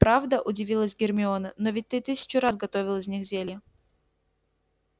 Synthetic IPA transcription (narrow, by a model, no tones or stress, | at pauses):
pɾavd̪əʔʊdʲɪvʲilˠəsʲɡʲɪrmʲɪonənovʲɪt̚ʲt̪ɨt̪ɨsʲɪ̥t͡ɕʊɾasɡɐt̪ovʲɪlˠɨzʲnʲixzʲelʲjə